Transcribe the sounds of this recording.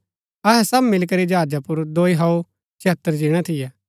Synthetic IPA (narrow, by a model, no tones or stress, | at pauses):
ɐɦɛsɐbmɪlk̬əɾid͡ʒɦaːd͡ʒapʊɾd̪oːiɦɐu | t͡ʃʰɛt̪ːəɾd͡ʒiɽ̃at̪ʰɪjɛː